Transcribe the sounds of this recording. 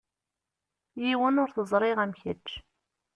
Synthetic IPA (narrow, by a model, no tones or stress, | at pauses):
jiwənʊɾθəzˤɾˤɪʁæmçət͡ʃː